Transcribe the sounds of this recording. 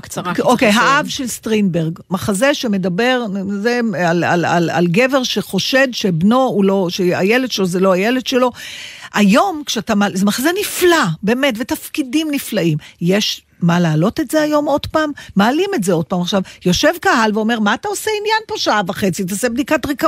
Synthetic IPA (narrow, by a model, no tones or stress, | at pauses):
kt͡saʁaokejɦaavʃe̞lst̪ʁinbeʁɡmaχazeʃe̞me̞dabe̞ʁzealalala̰lɡe̞veʁʃeχo̞ʃedʃebno̞ulo̞ʃea̰jeled̥ʃelozeloajeled̪ʃe̞lo̞ʔajo̞mkʃeatamazemaχazeniflabe̞ːme̞tvetafkidimniflaimjeʃ | malaːlo̞tetze̞ajo̞mo̞dpaːmːaːlime̞tzeo̞d̥̚paːmaχʃavjo̞ʃe̞vkaɦalveo̞me̞ʁmaːtao̞seinjanpo̞ʃaavaχe̞t͡sit̬aoseb̚dikatʁika